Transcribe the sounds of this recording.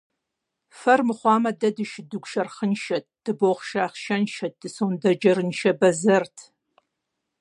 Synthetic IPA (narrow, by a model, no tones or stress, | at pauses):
fɐrmɨχʷɑːmɐdɐdɨʃdɨɡʷʃɐrχənʃɐt̚d̥ɨboχʃaːχʃɐnʃɐt̚d̥ɨsowndɐd͡ʒɐɾɨnʃɐbɐzɐrtʰ